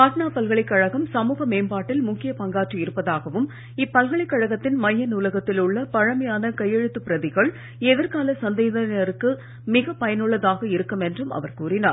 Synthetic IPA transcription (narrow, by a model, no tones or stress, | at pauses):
aːʈnaːpɐlɣɐɭɪkːɐɻɐɣɐmsɐmuːɣɐmeːmbaːʈːɪlmʊkːɪjɐpɐŋɡaːʈriɪɾɯpːɐðaːɣɐʋɯm | ɪpːɐlɣɐɭɪkːɐɻɐɣɐt̪ːɪnmɐjːɐnʊlɐɣɐt̪ːɪlɯɭːɐpɐɻɐmɐjaːnɐkɐjːɛɻɯt̪ːɯpːɪɾɐðɪɣɐɭ | ɛðɪɾkaːlɐsɐnd̪eːðɐnɐɾɯkːɯ | mɪɣɐpːɐjɐnɯɭːɐðaːɣɐɪɾɯkːɯmɛndrɯmɐ̰ʋɐɾkuːrɪna̰ːɾ